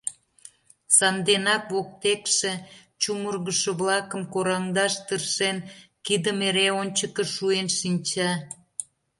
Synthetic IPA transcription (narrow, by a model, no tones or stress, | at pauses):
sɑnd̪enɑkβok̚t̪ekʃe | t͡ɕumərɣəʃoβlɑkə̆mkoɾɑŋd̪ɑʃt̪ərʃenkid̪əmeɾeonʲt͡ɕəkəʃuenʃinʲt͡ɕɑ